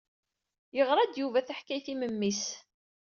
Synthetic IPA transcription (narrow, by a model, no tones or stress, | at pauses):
jəʁɾˤɑd̪juvæθaħkæjθiməmːis